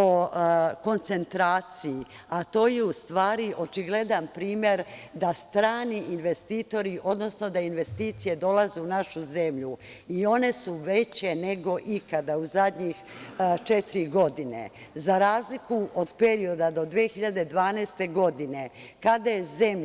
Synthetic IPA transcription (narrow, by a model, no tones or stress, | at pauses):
oko̞nt̪se̞nt̪ɾaːt̪sii | at̪o̞ːjeust̪ʋaːɾiʔo̞t͡ʃiɡle̞d̪anpɾiːmje̞ɾd̪ast̪ɾaːniinʋe̞st̪iːt̪o̞ɾiʔo̞d̪no̞sno̞d̪ainʋe̞st̪iːt̪sije̞d̪o̞lˠazuunaʃuze̞mʎu | io̞ne̞suʋet͡ɕe̞ne̞ɡo̞ʔikad̪auzad̪ɲixt͡ʃet̪iɾiɡo̞d̪inḛzaɾaːzlikuod̪pe̞ɾio̞d̪ad̪o̞d̪ʋiexiʎad̪e̞d̪ʋaːnɛːst̪e̞ɡo̞d̪ine̞kad̪ajeze̞m